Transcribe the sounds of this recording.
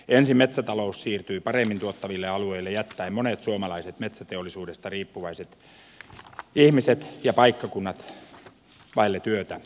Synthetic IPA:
ensimmet̪sæt̪ɑloussiːrt̪yipɑremːint̪uot̪ːɑʋilːeɑlueilːejæt̪ːæimmonet̪suomɑlɑiset̪met̪sæt̪eolːˑisuːdest̪ɑriːpːuʋɑiset̪ | ihmiset̪jɑpɑikːɑkunːɑt̪ | ʋɑilːet̪yøt̪æ

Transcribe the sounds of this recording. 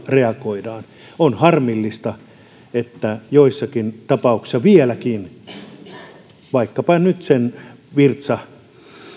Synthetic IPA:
reɑkoidɑːn | onhɑrmilːist̪ɑ | et̪ːæjoisːɑkint̪ɑpɑuksi̥sːɑʋielækin | ʋɑikːɑpɑnyt̪sen | ʋirt̪sɑ

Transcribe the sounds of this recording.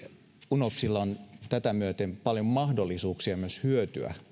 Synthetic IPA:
unopsilːɑont̪æt̪æmyøt̪empɑljommɑhdolːˑisuːksiɑmyøshyøt̪y̰æ̰

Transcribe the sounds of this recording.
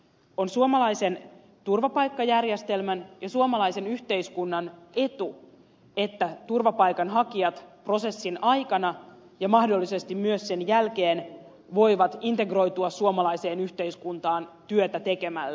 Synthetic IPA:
o̞nsuomɑlɑise̞n | t̪urʋɑpɑjkːɑjærjest̪e̞lmænjɑsuomɑlɑjse̞nyçt̪e̞iskunːɑne̞t̪u | e̞t̪ːæt̪urʋɑpɑjkɑnɦɑkiɑt̪pro̞se̞sːinɑjkɑnɑ | jɑmɑhdo̞lːise̞st̪immyøsːe̞njælke̞ːn | ʋo̞jʋɑt̪int̪e̞ɡro̞jt̪uɑsuomɑlɑjse̞ːnyçt̪e̞iskunt̪ɑːnt̪yøt̪æt̪e̞ke̞mæ̰lːæ

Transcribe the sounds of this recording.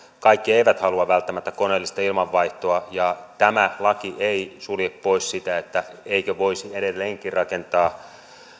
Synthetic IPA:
kɑikːieiʋæt̪hɑluɑʋælt̪ːæmæt̪ːæko̞neːlːist̪ɑilmɑʋːɑiht̪oɑjɑt̪æmælɑkiʔeisuljeppo̞issit̪æet̪ːæeikøʋo̞isieɾelːeːŋkirɑkent̪ɑː

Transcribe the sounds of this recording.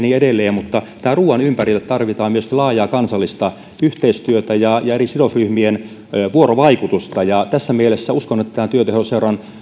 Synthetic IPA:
niːedelːˑeːmmut̪ːɑ | t̪æːruːɑnympærilːet̪t̪ɑrʋit̪ɑːmmyøskilɑːjˑɑːkɑnsɑlːist̪ɑ | yht̪eist̪yøt̪æjɑjɑerisidosryhmien | ʋuoroʋɑikut̪ust̪ɑjɑt̪æsːæmielesːæuskonet̪ːæt̪æːt̪yøt̪ehoseurɑn

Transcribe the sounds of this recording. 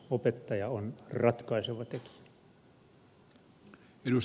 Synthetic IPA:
opet̪ːɑjɑonrɑt̪kɑiseʋɑt̪eki̥æ | edus

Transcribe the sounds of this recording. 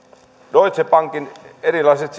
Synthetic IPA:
doit̪sepɑŋkinerilɑiset̪s

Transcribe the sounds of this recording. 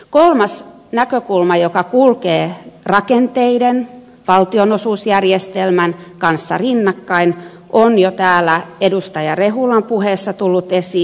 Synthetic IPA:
kolmɑs | nækøkulmɑjokɑkulkeːrɑkent̪eiden | ʋɑlt̪ionosuːsjærjest̪elmænkɑnsːɑ̰rinːɑkːɑin | ʔonjot̪æːlːˑæedust̪ɑjɑreɦulɑmpuheːsːɑt̪ulːut̪esiː

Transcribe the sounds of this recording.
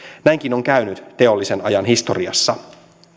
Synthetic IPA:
næjŋk̟ino̞ŋkæynyt̪t̪e̞o̞lːise̞nɑjɑnɦist̪o̞̰riɑ̰sːɑ

